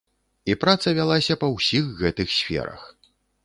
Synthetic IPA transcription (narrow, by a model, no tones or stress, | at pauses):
ipɾat̪sɐvʲalˠasʲɐpɐwsʲixɣɛt̪ɨxsʲfʲɛ̰ɾɐ̰x